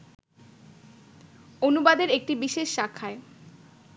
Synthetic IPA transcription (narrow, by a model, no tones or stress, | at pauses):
onubad̪eɾek̚ʈibiʃeʃːakʰːae